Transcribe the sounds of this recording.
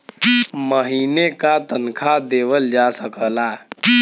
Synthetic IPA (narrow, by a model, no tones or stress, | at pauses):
məɦiːnekat̪ənkʰad̪eːʋəld͡ʒasəkəla